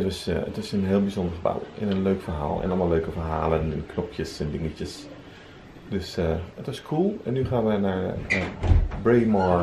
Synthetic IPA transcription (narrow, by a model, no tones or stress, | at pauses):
ətʋɔsətɪsənɦɪːlˠbizɔndəɹχəba̰wɪ̰nənløːkfəɹɦa̰ːlˠɛ̰nʔɔlˠmaløːkəfəɹɦa̰ːlənɛ̰nkʰnɔpʰjəsɛndɪŋəcəs | d̥øsəətʋɔskʰuːlˠɛnːyχaːnʋənaɹ | bɹeːmɑɹ